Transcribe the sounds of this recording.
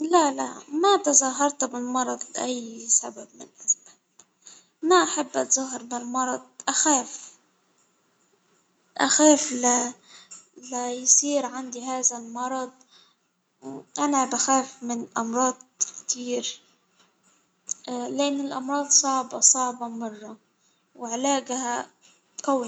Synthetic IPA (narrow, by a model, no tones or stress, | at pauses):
lala̰mat̪ɑzˤɑɦɑɾˤt̪bɪlmɑɾˤɑd̪ˤlʔajːsababmɪnʔazma | maʔaħabːʔɑt̪zˤɑɦːɑɾˤbɪlmɑɾˤɑd̪̚ˤʔaxaːf | ʔaxaːfla | lajsˤiːɾʕand̪iɦaːzalmɑɾˤɑd̪̚ˤ | ʔanabaxaːfmɪnʔɑmɾˤɑːd̪̚kt̪ʰiːɾ | lɪʔɪnːɪlʔɑmɾˤɑːd̪ˤsˤɑʕbɑsˤɑʕbɑmɑrˤːɑ | wɪʕlaːɡha | kaw